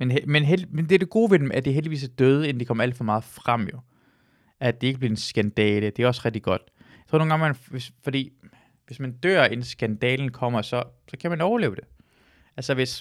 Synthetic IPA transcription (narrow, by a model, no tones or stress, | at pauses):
menɦemenɦelmend̥eɐd̥e̝ɡ̥o̝ːʋe̝d̥emæɐd̥eɦeldiʋḭːsæd̥øːð̞ˠəe̝nd̥ekʰɒ̽mɐæl̰d̥fɒ̽mɑ̈ːð̞̩ˠfʁam̰jo̝ | æd̥e̝e̝ɡ̥əb̥liɐensɡ̥ænd̥ɛːləd̥e̝æɐɒ̽sʁɛɡ̥̚d̥iɡ̥ɒ̽d̥jḁt͡sʰo̝ɐno̝ːŋɡ̥ɑŋmænʋe̝sfɒ̽d̥ḭː | ʋe̝smænd̥øɐ̰ensɡ̥ænd̥ɛːln̩kʰɒ̽m̰ɐsɒ̽sɒ̽kʰæmænɒʊɐle̝̰ːʊd̥e̝ | ʔælsɐʋe̝s